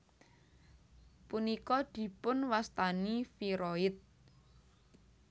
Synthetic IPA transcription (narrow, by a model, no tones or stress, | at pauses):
punikɔd̪̥i̤pʊnwast̪anifiɾoɪt̪̚